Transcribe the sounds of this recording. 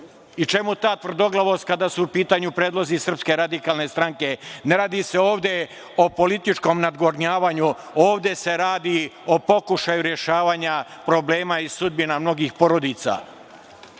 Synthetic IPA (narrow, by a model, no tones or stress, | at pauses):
it͡ʃe̞mut̪aːt̪ʋr̩d̪o̞ɡlˠaʋoskad̪asuːpiːt̪aːɲupɾeːd̪lo̞zisr̩pske̞ɾad̪ikaːlne̞st̪ɾaŋke̞ne̞ɾaːd̪ise̞o̞ːʋd̪e̞ | o̞po̞lit̪it͡ʃko̞mnad̪ɡoɾɲaːʋaːɲu | o̞ːʋd̪e̞se̞ɾaːd̪io̞po̞kuʃajuɾje̞ʃaːʋaːɲapɾo̞bleːmaisud̪binamno̞ɡixpo̞ɾo̞d̪it̪sa̰